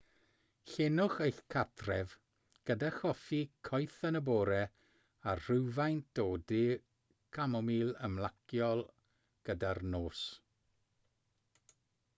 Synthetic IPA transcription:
ɬenʊχejɬkʰatʰrɛv | ɡ̥ədaχɔfikʰɔjθənəboːɾɛ | arr̥ɪwvajntd̥oːdi | kʰamɔmiːlˠəmlˠakjɔlˠ | ɡ̥ədarnoːs

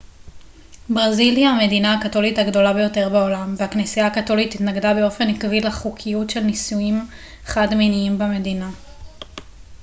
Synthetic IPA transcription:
bʁaziljaame̞dinaːkato̞lithaɡdo̞labe̞jo̞te̞ʁbeo̞lamvehaknesijaːkato̞lititnaɡdabe̞o̞fe̞nikvilaχukʰijutʃe̞lnisuim | χadminiimbeme̞dina

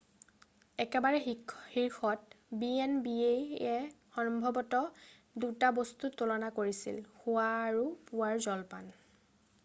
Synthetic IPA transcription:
ɛkɛbaɹɛhiɹxʰɔt̚biɛnbieɛxɔnmbʱɔbɔtɔ | dutabostutulɔnakoɹisḭlxʊaːɹupʊwaɹzɔlpa̰n

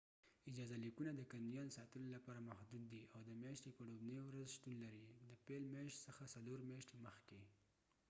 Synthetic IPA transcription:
ɪd͡ʒɑzalikunad̪əkanjɑnsɑt̪əlolapɑɾamahd̪ud̪ːiʔawd̪əmjɑʃt̪epəɖobnəjowɾazʃt̪unlaɾid̪əpelmjeʃt̪səxasaloɾmjɑʃt̪eməxke

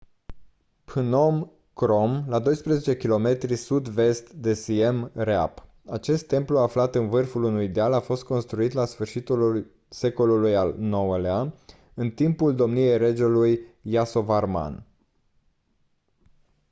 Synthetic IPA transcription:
pɨno̞m | kɾo̞mlad̪o̞jspɾezet͡ʃe̞kʲilo̞me̞t̪ɾisud̪ve̞st̪d̪e̞sie̞mrea̰p | at͡ʃe̞st̪ːe̞mpluaflat̪ɨnvɨrfulunujid̪ealafo̞st̪̚ko̞nst̪ɾuit̪lasfɨrʃit̪ul | se̞ko̞lulujalno̞wəlea | ɨnt̪impuld̪o̞mnie̞jred͡ʒelujːaso̞varma̰n

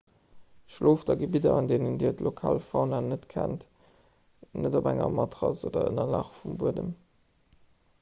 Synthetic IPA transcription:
ʃloːfdɑɡəbidɐɑndeːnəndiːtlokʰaːlfɑʊnanətkʰænt | nədobæŋɐ̰mɑtʁɑsoːdɐə̰nɐlɑχfumbuədəm

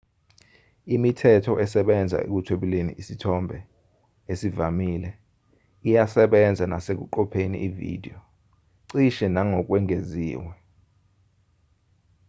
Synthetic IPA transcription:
imitʰɛtʰɔʔɛsɛɓɛnd͡zʱa̰ḛk̬utʰweɓilenḭʔisitʰɔmbʱɛ | esivamiːlɛ | ijasɛɓɛnd͡zʱanasek̬uǃɔpʰenḭʔivḭdʱḭɔ | ǀiʃɛnaŋɔk̬ʼwɛŋezḭːwɛ

